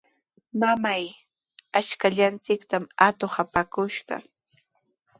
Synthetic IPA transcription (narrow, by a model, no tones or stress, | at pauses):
mamaj | at͡ʃkaʎant͡sɪkt̪amat̪ohapakʊʃɢɑ̰